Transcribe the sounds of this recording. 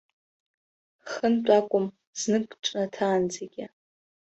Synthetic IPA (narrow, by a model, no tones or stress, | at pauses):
χənt͡pʼakʷʼʊm | z̥nɨkʼʈ͡ʂʼnatʰaːnd͡zaɡʲɪ